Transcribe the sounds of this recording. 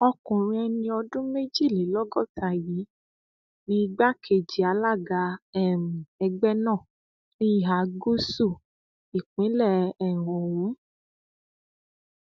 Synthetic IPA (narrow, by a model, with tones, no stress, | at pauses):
ɔ˧kũ˨ɾ̃ĩ˧ɛ˧nĩ˧ɔ˧dũ˦me˦d͡ʒi˦˨le˨lɔ˦ɡɔ˦˨ta˧˨ji˨˦ | nĩ˧ɡ͡ba˦kʰe˨d͡ʒi˨a˨˦la˦˨ɡa˧ɛ˦˨m̩̃˨ɛ˧ɡ͡bɛ˦nã˦˨ | nĩ˦˨ɦa˨˦ɡo˦su˦˨ | i˨k͡pĩ˨˦lɛ˦˨ɛ˦˨w̃ɔ̃˨wũ˨˦